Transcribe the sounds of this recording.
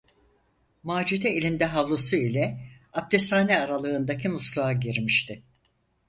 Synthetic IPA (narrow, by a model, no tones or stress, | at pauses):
maːd͡ʒid̪ɛelʲind̪ɛɦavlˠosuilʲɛap̚t̪ʰesaːnɛaɾalˠɯːnd̪akʰimuslˠaaɟiɾmiʃt̪ʰɪ